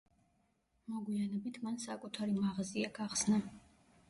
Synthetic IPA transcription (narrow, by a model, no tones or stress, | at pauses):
mɔɡwianɛbit̪ʰmansakʼut̪ʰaɾimaʁaziaɡaχsna